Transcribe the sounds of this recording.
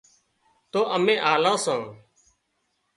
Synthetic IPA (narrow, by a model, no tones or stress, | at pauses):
t̪oːʔəmẽːʔaːlãːsãː